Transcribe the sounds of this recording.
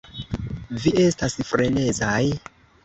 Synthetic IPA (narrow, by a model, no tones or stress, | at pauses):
viʔe̞stasfɾene̞zaj